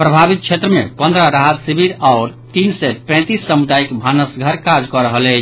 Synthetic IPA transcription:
pɾəbʱaβit̪̚t͡ʃʰet̪ɾəmepənd̪ʱɾəɾaɦət̪sibiɾaʊɾt̪insɛpɛ̃t̪isːəmud̪aikbʱanəsɡʱəɾkad͡ʒkɔɾəɦəlɛt͡ʃʰ

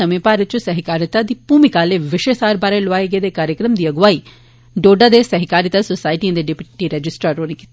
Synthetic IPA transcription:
ɐmepaːɾɐt͡ʃusɐɦikaːɾjɐt̪ad̪ipuːmikaːleʋɪʃesaːɾbaːɾɐlʋaːjɐɡed̪ekaːɾjəkɾɐmd̪ijɐɡʋaːi | ɖoːɖad̪esɐɦikaːɾjit̪asosaːjʈiɐnd̪eɖipʈiɾɐd͡ʒɪsʈɾaɾoːniki

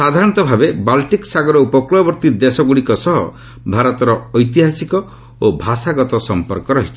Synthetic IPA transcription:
sad̪ʱaɾɔñt̪ɔbʱabebalʈiksaɡɔɾɔupɔklɔbɔɾt̪id̪esɔɡuɽikɔsɔɦɔ̰ | bʱaɾɔt̪ɔɾɔːjt̪iɦasikɔ | obʱasaɡɔt̪ɔsɔmpɔɾkɔɾɔɦit͡ʃʰi̥

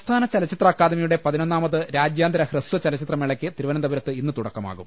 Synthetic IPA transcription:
st̪ʰaːnɐt͡ɕɐlɐt͡ɕːit̪rɐːkːaːd̪ɐmɐjuɽe̞pɐðino̞nːaːmɐðɨɾaːd͡ʑjaːnd̪ʱɐɾɐhrɨsʋɐt͡ɕɐlɐt͡ɕːit̪rɐmeɭɐkʲːɨt̪iɾuʋɐnɐnd̪ɐbɐɾɐt̪ːɨinːɨt̪uɽɐkːɐma̰ːɣum

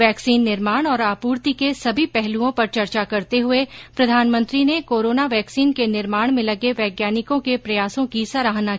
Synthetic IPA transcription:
ɛːksiːnːɪɾmaːɽ̃ɔːɾaːpuːɾt̪ikesɐbʱipɛɦluõpɐɾt͡ʃɐɾt͡ʃakɐɾt̪eɦʊepɾɐd̪ʱaːnmə̃nt̪ɾinekoːɾoːnaʋɛːksiːnkenɪɾmaːɽ̃mẽlɐɡeʋɛːɡjaːnɪkõkepɾɐjaːsõkisaɾaːɦna

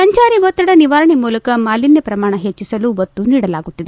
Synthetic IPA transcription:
sɐɲt͡ʃaːɾiʋɔt̪ːɐɽɐniʋaːɾɐɳimuːlɐkɐmaːlinjɐpɾɐmaːɳɐɦet͡ʃːisɐluʋɐt̪ːuniːɽɐlaːɡut̪ːid̪e

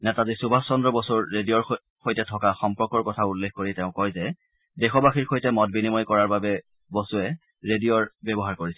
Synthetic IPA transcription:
nɛtazisubʱassɔndɹɔbɔsɔɹːedijɔɹ | xojtɛtʰɔkaxɔmpɔɹkɔɹkɔtʰaulːekʰkoɹiteʊ̃kɔjzɛ | dɛxɔbaxiɹxojtɛmɔt̚binimɔjkɔɹaɹbabɛ | bɔsʊɛ | ɹedijɔɹbɛbɔɦaɹkoɹisɛ

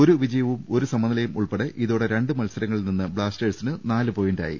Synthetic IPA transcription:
o̞ɾuʋid͡ʑɐjɐʋumoɾusɐmːɐnɐlɐjumuɭpeɽeʔiðo̞ːɽe̞ɾe̞ɳɖɨmɐlsɐɾɐŋːɐɭilninːɨbɭaːsʈeːʈsinɨnaːlɨpoːjinda̰ːjḭ

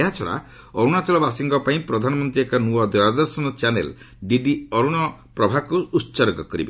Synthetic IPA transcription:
eɦat͡ʃʰɔɭa̰ | ɔɾuɽ̃at͡ʃɔɭɔbasiŋɡɔpaĩpɾɔd̪ʱanɔmɔnt̪ɾiekɔnuɔd̪wɔɾad̪ɔɾsɔnɔt͡ʃanḛl | ɖiɖiɔɾuɽ̃ɔpɾɔbʱakuːtːt͡ʃɔɾɡɔkɔɾḭbe

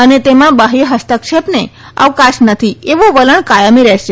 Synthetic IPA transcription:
ənet̪emãbaɦiɦəst̪əkʃepne | ə̰ʋkaʃnət̪ʰieʋõʋələɳkajəmiɾɛʃe

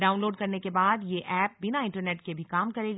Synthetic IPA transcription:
ɖaːʊ̃nloːɖkɐɾnekebaːd̪jeʔɛːp̚bɪnaɪ̃ɳʈəɾneːʈ̚kebʱikaːmkɐɾeːɡa

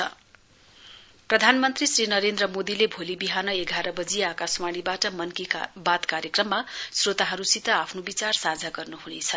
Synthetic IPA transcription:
ʌ | prʌd̪ʱanmʌnt̪risrinʌɾend̪rʌmod̪ilebʱolibiɦanʌeɡʱaɾʌbʌd͡ziakasmaɽ̃ibaʈʌmʌnkibat̪kaɾjekrʌmːasrot̪aɦʌɾusit̪ʌapʰnobit͡sarsad͡zʱaɡʌrnuhunet͡sʰʌ

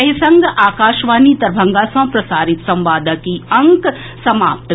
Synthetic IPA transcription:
ɐɦisɐ̃ŋɡʔaːkaːʃʋaːnit̪ɐɾbʱɐ̃ŋɡaːsɐ̃ːpɾɐsaːɾɪt̪sɐ̃mʋaːd̪ʱakiɐ̃ŋk | sɐmaːp̚t̪

